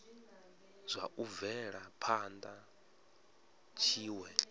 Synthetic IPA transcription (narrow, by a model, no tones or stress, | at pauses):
z̥ʷaʔuvɛɺapʰand̪a | t͡ʃʰiːwɛ